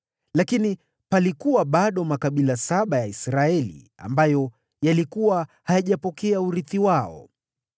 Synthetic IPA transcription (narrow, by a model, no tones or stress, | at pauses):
lakini | palikuwaɓaɗɔmakaɓilasaɓajaisɾaɛlḭ | a̰mbajɔ | jalikuwahajaʄapɔkɛauɾiθiwaɔ̰